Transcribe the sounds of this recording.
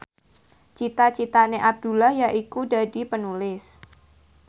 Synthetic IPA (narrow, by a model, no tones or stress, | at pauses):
t͡ʃit̪at͡ʃit̪aneʔab̚d̪̥ṳlahjaʔikudadi̤pənulɪs